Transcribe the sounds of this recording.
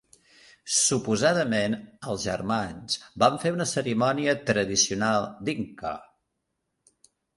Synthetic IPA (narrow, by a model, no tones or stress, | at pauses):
supuzaðəmenəlˠzʒə̰rmansbaɱfeunəsəɾimɔniət̪ɾəðisiunalˠd̪iŋkɔ̰